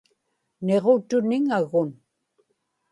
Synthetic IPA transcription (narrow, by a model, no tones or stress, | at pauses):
ne̞ʁot̪ʊnɪŋaɣʊn